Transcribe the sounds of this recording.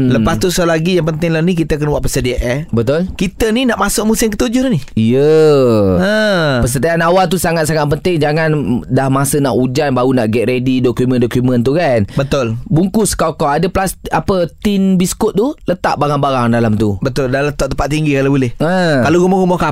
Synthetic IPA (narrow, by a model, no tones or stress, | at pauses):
ləpast̪usalaɡijaŋpənt̪ɪŋlanikit̪əakanwaʔpəsədiaʔabət̪ʊlkit̪əninaʔmasʊʔ̚musɪmkət̪ud͡ʒʊniijə | ə̃pəsədiaanawalt̪̬usaŋat̪̚saŋat̪̚pənt̪ɪŋd͡ʒaŋãndahmasənaʔud͡ʒanbaunaʔɡɛʔ̪̚ɾedidokjumə̃ndokjumə̃nt̪̬ukanbət̪ʊlbuŋkʊskawkɔwadəplasapət̪inbiskʊt̪̚t̪ːulət̪a̰ʔbaŋanbaɾaŋdalamt̪ubət̪ʊldalat̪ɔʔt̪əmpat̪̚ːiŋɡikalabulɪhə̃kaloɡumɔɡumɔka